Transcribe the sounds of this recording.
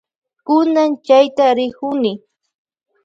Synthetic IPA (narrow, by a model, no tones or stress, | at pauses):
kʊnant͡ʃajt̪aɾɪkʊnɪ